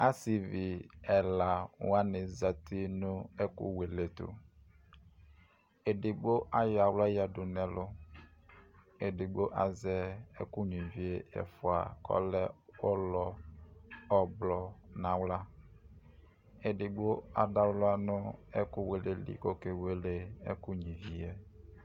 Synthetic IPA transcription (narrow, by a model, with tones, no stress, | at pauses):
a˦si˨vi˨ɛ˨la˨wa˦nɪ˨za˨tʰi˦nʊ˦ɛ˦kʊ̰˦we˨le˨tʊ̰˨ | e˨dɪ˨ɡ͡bo˦ʔa˦ja˨wla˦ja˨dʊ˨nɛ˨lʊ˦ | e˨dɪ˨ɡ͡bo˦ʔa˨zɛ˦ḛ˦ku˦ɲĩ˨vi˦e˦˨jɛ̰˨fʊ˨a̰˨kɔ̰˦lɛ˦o˦lɔ˨ | ɔ˨blɔ˨nã˨wla˦ | e˨dɪ˨ɡ͡bo˦a̰˨da˦wlo˦a˦nʊ̃˦ɛ˦ku˦we˨le˨lḭ˨ko˦ke˨we˦le˦ḛ˦ku˦ɲĩ˨vi˨ɛ˦